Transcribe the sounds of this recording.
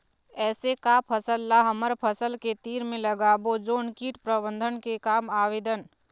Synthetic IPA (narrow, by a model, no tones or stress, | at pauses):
ɛːsekapʰəsəlːaɦɐməɾpʰəsəlket̪iːɾmẽlɐɡaːbod͡ʒoːɳkiːʈpɾəbə̃nd̪ʱənkekaːmaːʋeːd̪ən